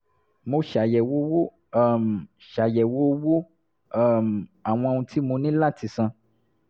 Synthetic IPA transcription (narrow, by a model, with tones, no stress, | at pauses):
mo˧ʃa˨jɛ˨wo˦wo˦˨ | m˨ | ʃa˨jɛ˨wo˦wo˦ | m˨a˨w̃ɔ̃˧ẽ˧ũ˧tʰi˦mo˧nĩ˦la˦ti˧sã˧